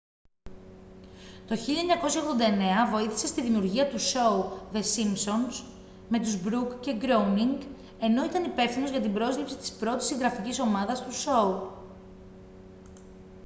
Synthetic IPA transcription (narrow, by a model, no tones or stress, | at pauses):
t̪o̞çiʎɐeɲɐko̞sçɐoɣðod̪ɐene̞ɐvo̞iθi̥se̞st̪iðimiuɾʝiɐt̪uso̞uðe̞simpso̞ns | me̞t̪uzbɾukce̞ɡɾouniŋɡ | e̞no̞it̪ɐnipe̞fθino̞zʝɐt̪ibɾo̞zʎipsi̥t̪i̥spɾo̞t̪i̥siŋɡɾɐficiso̞mɐðɐst̪uso̞u